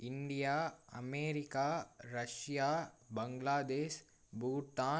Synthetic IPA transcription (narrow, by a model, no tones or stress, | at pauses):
ɪɳɖijaːɐ̰meːɾikaːɾɐʃjaː | bɐ̃ŋɡlaːd̪eːʃ | buːʈaː